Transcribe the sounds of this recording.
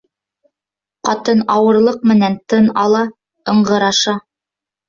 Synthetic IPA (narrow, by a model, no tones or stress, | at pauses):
qɑt̪ɤnɑwɤ̆ɾlˠɤq̚mɘ̆nænt̪ɤnɑlˠɑ | ɤ̆ɴɢɤ̆ɾɑʃɑ